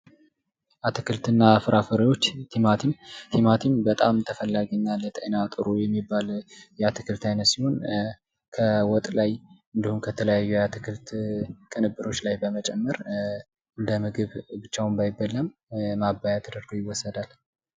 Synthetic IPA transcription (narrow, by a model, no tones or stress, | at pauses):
ʔat̪ʰɨkɨlt̪ɨnːafɨɾʔafəɾəjo̞t͡ʃːt̪ʰimat̪ʰimt̪ʰimat̪ʰimbət̪ʼamt̪ʰəfəlːaɡinːalət̪ʼə̰nat̪ʼɨɾujɛmːibːaljɛat̪ʰɨkʰɨlt̪ʰajnət̪siho̞n | kʰəwɔt̪ʼlajʔɨnd̪ihumkʰət̪ʰələjajːujat̪ʰɨkʰɨlt̪kʼɨnɨbːɨɾo̞t͡ʃːlajbəmət͡ʃʼɛmːəɾ | ʔɨnd̪əmɨɡɨβbɨt͡ʃːawmbajɪbːəlːəmmabːajat̪ɨd̪əɾɡojɪwːɔsːəd̪al